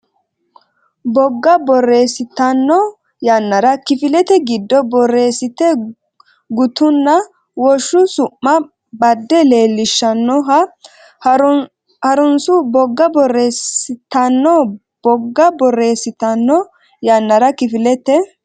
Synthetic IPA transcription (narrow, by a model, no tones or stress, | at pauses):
bɔɡːɐbɔrːe̞ːsɪt̪ɐnːɔ | jɐnːɐɾɐkɪfɪlɛt̪ɛɡɪd̪ːɔbɔrːe̞ːsɪt̪ɛ | ɡʊt̪ʊnːɐ | wɔʃːʊsʊʔːɐ | bɐd̪ːɛle̞ːlːɪʃːɐnːɔɦɐ | hɐɾʊnsʊbɔɡːɐbɔresɪt̪ɐnːɔ | b̥ɔɡːɐbɔrːe̞ːsɪt̪ɐnːɔ | jɐnːɐɾɐkɪfɪlɛt̪ɛ